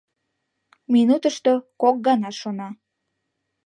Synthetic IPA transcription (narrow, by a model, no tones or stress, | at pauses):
minut̪əʃt̪okok̚ɡɑnɑʃonɑ